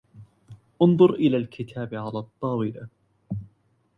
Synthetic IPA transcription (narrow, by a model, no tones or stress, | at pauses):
ʔʊnðˤʊɾʔɪlaːlkʰɪt̪ʰaːbʕalaːt̪ˤːɑːwɪla̰